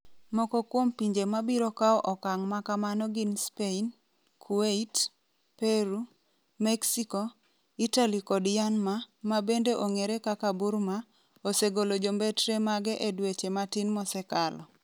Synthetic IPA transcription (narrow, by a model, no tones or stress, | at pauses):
mɔkɔkwompiɲd͡ʒemabiɾɔkaɔʔɔkaŋmakamanɔɡinspein | kʰueit | peɾu | mɛksikɔ | italikɔdjanmamabendeʔoŋeɾekakabuɾma | oseɡolod͡ʒombɛtɾemaɡɛʔedwet͡ʃematinmɔsɛkalɔ